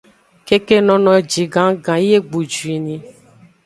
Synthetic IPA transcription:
ke˦ke˦nɔ̃˦nɔ̃˦˨d͡ʒi˨ɡã˨˦ɡã˨˦e˦ɡ͡bu˨d͡ʒu˨i˨nĩ˨

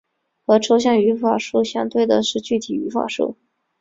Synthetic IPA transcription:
xɤ˧˥ʈ͡ʂʰo˥ʊɕ̬jɑ˥˩ŋy˧˥fa˨˩ʂu˥˩ɕjɑ˥ŋt̪we˥˩ɪd̪ə˩ʂɻ̩˥˧t͡ɕy˥˩t̪ʰi˨˩y˧˥fa̰˨˩ʂṵ˥˩

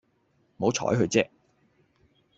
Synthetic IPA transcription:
mo˨˥wt͡sʰɔ̰ː˨˥jhɵ˧ɥt͡sɛː˥k̚

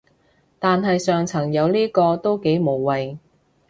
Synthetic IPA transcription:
t̪aː˨nɦɐ˨jsœː˨ŋt͡sʰɐ˨˩ŋjɐ˨˧wliː˥kɔː˧t̪o˥wke˨˥jmo˨˩wwɐ˨j

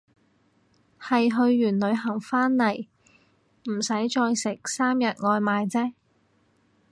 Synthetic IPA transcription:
hɐ˨jɦɵ˧ɥjyː˨˩nlɵ˨˧ɥɦɐ˨˩ŋfaː˥nlɐ˨˩j | m̩˨˩sɐ˨˥jt͡ʃɔː˧jsɪ˨˩k̚saː˥mjɐ˨t̚ŋɔː˧jmaː˨˧jt͡sɛː˥

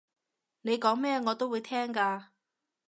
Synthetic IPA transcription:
ne˨˧jkɔː˨˥ŋmɛː˥ŋɔː˨˧t̪o˥wuː˨˧jt̪ʰɛː˥ŋkaː˧

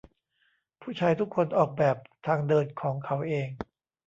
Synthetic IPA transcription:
pʰuː˥˩t͡ɕʰaː˧jt̪ʰu˦˥kʰːo˧nʔɔː˨˩k̚bɛː˨˩p̚t̪ʰaː˧ŋdɤː˧nkʰɔː˩˦ŋkʰa˩˦wʔeː˧ŋ

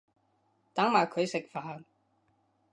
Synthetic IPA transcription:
t̪aː˨˥ŋmaː˨˩jkʰɵ˨˧ɥsɪ˨k̚faː˨˧n

